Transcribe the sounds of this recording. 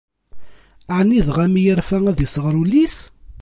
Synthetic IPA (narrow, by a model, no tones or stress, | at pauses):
ʕnːiðʁæmijəɾfææðisəʁɾulːis